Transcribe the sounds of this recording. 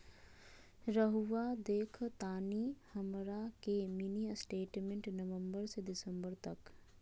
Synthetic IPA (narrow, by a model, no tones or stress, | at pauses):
ɾəɦuʋad̪eːkʰt̪aːnihɐmɾakeminiəsʈeːʈmẽɳʈnɐʋə̃mbəɾsed̪ɪsə̃mbəɾt̪ɐk